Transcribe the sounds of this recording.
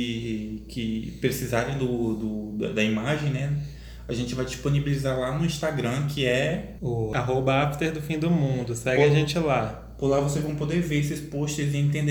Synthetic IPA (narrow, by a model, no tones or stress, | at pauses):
kʰɪpɾesizaɾẽj̃d̪ʊd̪ʊd̪ɐd̪ɐimaʒẽj̃nɛ | aʒẽnt͡ʃɪvajd͡ʒisponibilizaɾlanʊĩst̪aɡɾɐ̃kʰɪɛ | ʊaɦobɐaft̪eɾd̪ʊfĩd̪ʊmũnd̪ʊsɛɡɪaʒẽnt͡ʃɪla | pʊɾlavos̬ejzvɐ̃w̃pod̪eɾveɾes̬ɪspoʃt͡ʃɪzɪẽt̪ẽnd̪